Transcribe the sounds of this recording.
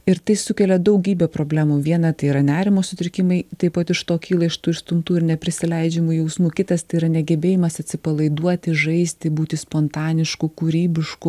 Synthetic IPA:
ɪɾt̪ɐɪsʊkʲɛlʲɛd̪ɐʊɡʲiːbʲɛpɾoːbʲlʲæːmuʋʲiɛnɐt̪ɐɪiːɾɐnʲæːɾʲɪmoːsʊt̪ʲɾʲɪkʲɪmɐɪt̪ɐɪpɐt̪ɪʃt̪oːkʲiːlˠɐɪʃt̪uːɪʃst̪ʊmt̪uːɪɾnʲɛpʲɾʲɪsʲɪlʲɛɪd͡ʒʲɛmujɛʊsmuːkʲɪt̪ɐst̪ɐɪiːɾɐnʲɛɡʲɛbʲeːjɪmɐsɐt̪ʲsʲɪpɐlˠɐɪd̪uɔt̪ʲɪʒɐɪsʲt̪ʲɪbuːt̪ʲɪspoːnt̪ɑːnʲɪʃkʊkuːɾʲiːbʲɪʃkʊ

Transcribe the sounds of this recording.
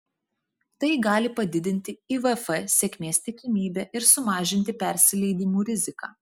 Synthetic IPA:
t̪ɐɪɡɑːlʲɪpɐd̪ʲɪd̪ʲɪnʲt̪ʲɪiʋɛfɛsʲeːkʲmʲeːst̪ʲɪkʲɪmʲiːbʲɛːʔɪɾsʊmɑːʒʲɪnʲt̪ʲɪpʲɛɾʲsʲɪlʲɛɪd̪ʲiːmuːɾʲɪzʲɪkɑ̰ː

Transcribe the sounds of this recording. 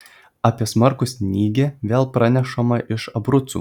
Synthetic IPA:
ɑːpʲiɛsmɐɾkʊsʲnʲiːɡʲeːʋʲeːlˠpɾɑnʲɛʃɐmɐʔɪʃɐbɾʊt̪sṵː

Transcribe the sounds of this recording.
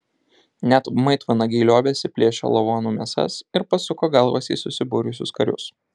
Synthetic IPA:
nʲɛt̪mɐɪt̪ʋɐnɐɡʲɛɪlʲoːbʲeːsʲɪpʲlʲeːʃʲo̰lˠoʋoːnuːmʲeɛsɐ̰sɪɾpɐsʊkoːɡɐlˠʋɐ̰sʲḭːsʊsʲɪbʊːɾʲʊsʲʊskɐɾʲʊ̰s

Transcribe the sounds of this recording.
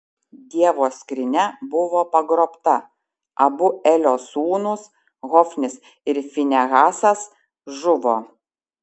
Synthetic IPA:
d̪ʲiɛʋoːsʲkɾʲɪnʲɛbʊʋoːpɐɡɾoːpt̪ɐ | ɐbʊɛlʲoːsuːnʊs | ɣɔfʲnʲɪs | ɪɾfʲɪnʲɛɣɑːsɐs | ʒʊʋoː

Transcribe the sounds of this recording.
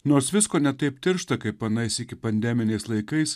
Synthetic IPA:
noːɾsʋʲɪskoːnʲɛt̪ɐɪpt̪ʲɪɾʃt̪ɐkɐɪpɐnɐɪsɪkʲɪpɐnʲd̪ʲɛmʲɪnʲɛɪslˠɐɪkɐɪs

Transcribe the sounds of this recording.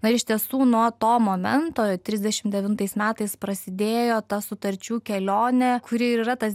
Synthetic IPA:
nɐɪɾɪʃʲt̪ʲiɛsuːnuɔt̪oːmoːmʲɛnt̪oːt̪ʲɾʲɪzd̪ʲɛʃʲɪmd̪ʲɛʋʲɪnt̪ɐɪsmʲæːt̪ɐɪspɾɐsʲɪd̪ʲeːjoːt̪ɐsʊt̪ɐɾʲt͡ʃʲuːkʲɛlʲoːnʲɛkʊɾʲɪiiːrɐt̪ɐs

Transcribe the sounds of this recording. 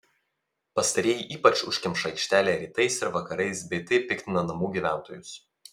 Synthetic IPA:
pɐst̪ɐɾʲɛːjʔiːpɐt͡ʃʊʃʲkʲɪmʃɐɪkʃʲt̪ʲæːlʲeːɾʲiːt̪ɐɪsɪɾʋɐkɐɾɐɪsbʲɛɪt̪ɐɪpʲɪkʲt̪ʲɪnɐnɐmuːɡʲiːʋʲæˑnˑt̪oːjʊs

